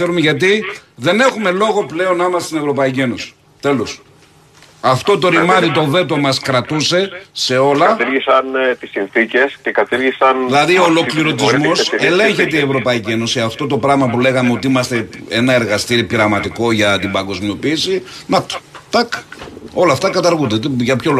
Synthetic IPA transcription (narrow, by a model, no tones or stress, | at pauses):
θeɾumeʝɐt̪̬iðe̞ne̞xume̞lo̞ɣo̞ple̞o̞nːɐimɐsesinevɾo̞pɐicie̞no̞si̥ | t̪e̞los | ɐft̪o̞t̪o̞ɾimɐðit̪o̞ve̞t̪̬o̞mɐskɾɐt̪use̞se̞o̞lɐt̪iɾʝisɐnt̪isinθice̞scekɐt̪iɾʝisɐnðilɐðiolo̞kliɾo̞t̪izmo̞seleɲçe̞t̪eievɾo̞pɐicie̞nosiɐft̪o̞t̪o̞pɾɐɣmɐpule̞ɣɐmeo̞t̪iimɐst̪e̞e̞̰nɐe̞ɾɣɐst̪iɾipiɾɐɣmɐt̪iko̞ʝɐt̪ibɐŋɡo̞zmio̞piːsinɐt̪o̥t̪ɐko̞lɐːft̪ɐkɐt̪ɐɾɣund̪et̪eʝɐpço̞lo